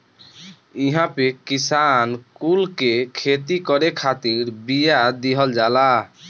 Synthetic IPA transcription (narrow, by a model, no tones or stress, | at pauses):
iɦãpekisankulkekʰet̪ikɔɾekʰat̪iɾbijad̪iɦɔld͡ʒala